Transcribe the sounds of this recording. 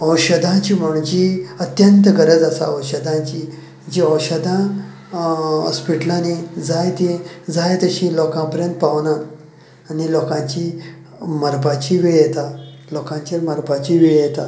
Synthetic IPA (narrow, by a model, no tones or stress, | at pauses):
əwɕəd̪ʱãt͡ɕim̤uɳ̃d͡ʑiət̪jənt̪əɡəɾəd͡zasa̰əwɕəd̪ʱãt͡ɕiː | d͡ʑiəwɕəd̪ʱã | ə̰spiʈlanid͡zajt̪id͡zajt̪əɕĩlɔkãpəɾjə̃nt̪̚paʋnaː | nilokãɲt͡ɕi | məɾbat͡ɕiʋiɭjet̪a | lokãɲt͡ɕaɾməɾbat͡ɕiʋiɭjet̪a